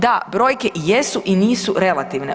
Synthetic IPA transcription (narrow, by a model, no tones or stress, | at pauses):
d̪abɾo̞ːjkeʔijesuʔiniːsuɾe̞lˠat̪iʋne